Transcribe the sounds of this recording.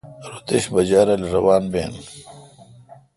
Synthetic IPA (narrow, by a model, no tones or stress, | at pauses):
ɾut̪eɕbɐd͡ʑaːɾɐlɾɐwaːnbeːn